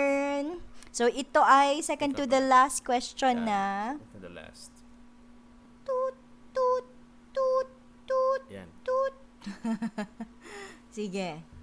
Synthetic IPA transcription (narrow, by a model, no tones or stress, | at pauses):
nsoʔɪt̪o̞ʔɐjsɛkɐ̃nd̪t̪ud̪ɐlast̪̚kwɛst͡ʃɔnːɐ | la̰st̪ | t̪u | t̪u | t̪u | t̪ṵt̪ut̪̚ | siɡɛ